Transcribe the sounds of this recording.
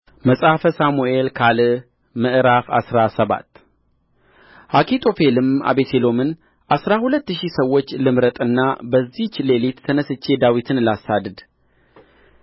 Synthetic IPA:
məsʼafəsamue̞lkʰalɨ | mɨʔɾafasɾasəβa̰t̪ː | ʔakʰit̪ʰʼo̞fe̞lɨma̰βet̪ʰelo̞mɨn | ʔasɾahulət̪ːɨʃisəwːo̞t͡ʃːlɨmɾət̪ʼɨnːabəzːit͡ʃːle̞lit̪ːʰənəsɨt͡ʃːe̞d̪awit̪ʰɨnlasad̪ɨd̪

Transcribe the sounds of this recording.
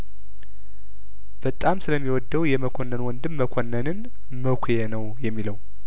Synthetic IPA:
b̥ət̪ʼamsɨləmːiwɔd̪ːəwjɛməkʰonːənwɔnd̪ɨmːəkʰonːənɨn | məkʰʷjenəwjɛmːiləw

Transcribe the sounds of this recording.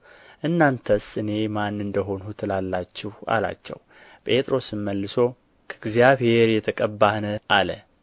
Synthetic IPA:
ʔɨnːant̪ʰəsɨne̞manːɨnd̪əɦo̞nut̪ʰɨlalːat͡ʃːɪha̰la̰t͡ʃːɛ̰w | pʼe̞t̪ʼɾo̞sɨmːəlːɨso̞ | kʰəɨɡzijaβhe̞ɾjɛt̪ʰəkʼəbːahnəalə

